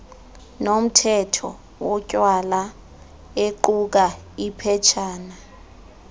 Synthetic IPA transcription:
nom̩tʰɛtʰɔ̰ | wɔcʼwala | eǃuk̬a | ipʰɛt͡ʃʰaːna

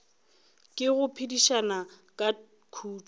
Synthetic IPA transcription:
kʼɪɣʊpʰidiʃanakʼa | kʰuːt͡ʃ

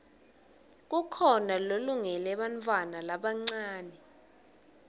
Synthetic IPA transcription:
k̬ukʰɔnaloluŋɛlɛɓant̪ʼwanalaɓaŋ͡ǀaːnɛ

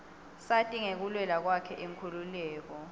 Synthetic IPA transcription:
satʼiŋek̬ulwɛlak̬wakʰɛʔiŋkʰululɛːk̬ɔ

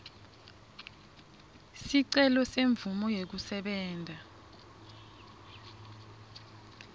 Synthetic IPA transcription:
siǀɛlɔseɱbvumɔjek̬usɛɓɛːndʱa

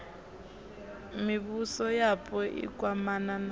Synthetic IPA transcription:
miβusɔjapʰʼɔʔḭk̬ʼwamanana

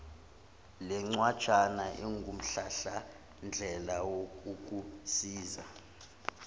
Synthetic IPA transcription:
lɛŋ͡ǀwad̥t͡ʃʰanaʔɛŋɡʱum̩ɬaɬa | nd͡ɮʱɛlawouk̬ʼusiːza

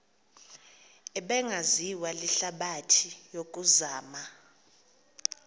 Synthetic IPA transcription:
ɛɓɛŋʱaziwaliɬaɓatʰijok̬ʼuzaːma

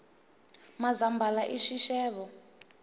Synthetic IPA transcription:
mazambʱalaʔiʃiʃɛːβɔ

